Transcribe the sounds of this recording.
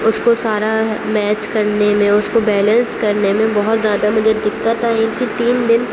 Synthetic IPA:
ʊskosaːɾamɛːt͡ʃkɐɾnemẽʊskobɛːlə̃nskɐɾnemẽbɐɦʊt̪zjaːd̪amʊd͡ʒʱed̪ɪkːət̪aːẽk̪it̪iːnd̪ɪn

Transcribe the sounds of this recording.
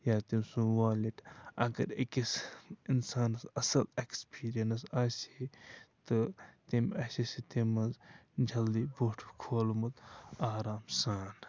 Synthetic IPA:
jaːt̪imsũʋwaːliʈʰɐɡɐɾekisinsaːnɐsɐsɐlekspiːɾijɐnɐsaːsiit̪ɨt̪imɐsisit̪imɐzd͡ʒʱɐld̪iboːʈʰu̥kʰoːlumɐt̪aːɾaːmsaːn

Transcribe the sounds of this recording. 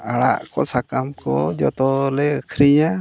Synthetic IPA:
aɽa̰ʔkɔsakamkɔ̰d͡ʒɔt̪ɔlɛkʰɾijã

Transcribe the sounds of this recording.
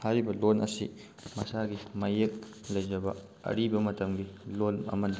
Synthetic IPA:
haɾibɐlonɐsḭ | mɐsaɡimɐjek̚ | lɐjd͡ʒɐbɐ | ɐ̰ɾibɐmɐtɐmɡilonɐ̰mɐnd̪i

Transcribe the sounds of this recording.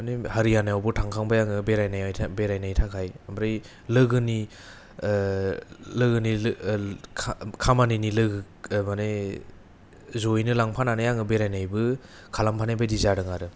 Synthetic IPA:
anehaɾijanajawbɯtʰaŋkʰaŋbajaŋɯbeɾajnajajʰbeɾajnajtʰakʰajambɾɯj | lɯɡɯni | lɯɡɯni | kʰamaninilɯɡɯ | mane | zojnɯlaŋpʰananɯjaŋɯbeɾajnajbɯ | kʰalampʰanajbajdizaɾɯŋaɾɯ

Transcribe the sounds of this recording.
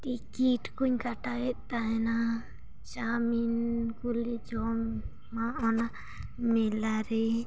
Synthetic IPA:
t̪ikiʈkuɲkaʈaet̪ːaena | t͡ʃaminkulid͡ʒom | maona | milaɾi

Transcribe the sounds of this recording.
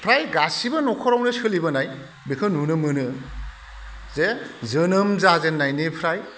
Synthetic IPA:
pʰɾajɡasibɐnɔkʰɔɾawnɯsɯlibɐnaj | bikʰɯnunɯmɯnɯ | zezɯnɯmzazenːajnipʰɾaj

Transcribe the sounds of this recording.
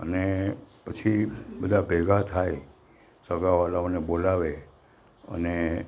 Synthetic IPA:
ə̰nepət͡ʃʰibəd̪ʱabʱɛɡʱat̪ʰaj | səɡaʋalaonebolaʋe | ə̰ne

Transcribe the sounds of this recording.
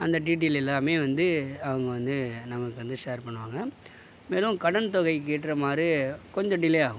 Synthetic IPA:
ɐnd̪ɐʈiːʈ̬ilɛlːaːmeːʋɐnd̪ɯɐʋɐŋɡɐʋɐnd̪ɯnɐmɐkːɯʋɐnd̪ɯʂeːɾpɐɳːɯʋaːŋɡɐ | meːlʊ̃mkɐɽɐnt̪ɔɣɐɪk̬eːʈːɾɐmaːd̪ɾikɔɲd͡ʒɔ̃ɖɪlɛaːɣʊ̃

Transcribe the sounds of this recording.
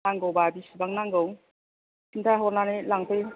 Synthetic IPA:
aŋɡowbabisibaŋnaŋɡowŋ | sintʰaɦɔɾnanelaŋpʰej

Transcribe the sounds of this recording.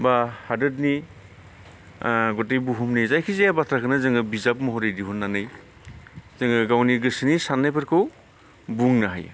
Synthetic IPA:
bahadɯt̚ni | ɡɔtejbuɦumnizajkʰizejabatʰɾakʰɯnɯzɯŋɯbizap̚mɔɦɔɾɯjdiɦunːanɯj | zɯŋɯɡawniɡɯsɯnisanːajpʰɯɾkʰɯw | buŋnaɦaj̰

